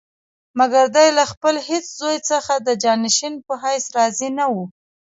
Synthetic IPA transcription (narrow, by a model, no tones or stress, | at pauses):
maɡaɾd̪ajlaxpəlhet͡szojt͡səxad̪əd͡ʒɑnɪʃinpəɦajsɾɑzinawu